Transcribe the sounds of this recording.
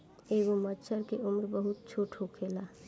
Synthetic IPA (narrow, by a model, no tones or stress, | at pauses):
eːʋomət͡ʃʰəɾkeʔʊmɾbəɦʊt̪̚t͡ʃʰoːʈʰokʰeːlaː